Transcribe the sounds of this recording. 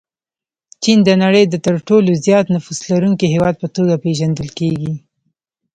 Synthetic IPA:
t͡ʃind̪ənaɽəjd̪ət̪əɾʈolozjɑt̪nʊfuslaɾuŋkiɦewɑd̪̚pət̪oɡapeʒand̪əlkeɡi

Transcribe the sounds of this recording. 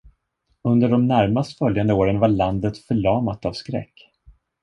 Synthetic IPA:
ɵnd̪əɖɔmnæɾmast̪fœljand̪əoːɾənvaɭand̪ət̪fœɭɑːmat̪avskɾɛ̰kː

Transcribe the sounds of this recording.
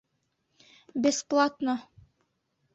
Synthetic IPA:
bʲesplˠat̪no

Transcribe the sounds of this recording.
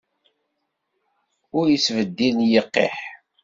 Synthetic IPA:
ʊɾjəsvəd̪ːinjəqːḛħ

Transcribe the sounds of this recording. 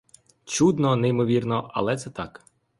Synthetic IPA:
t͡ʃud̪nɔnɛjmɔʋʲirnɔʔɐ̰lˠɛt̪sɛt̪ɑk

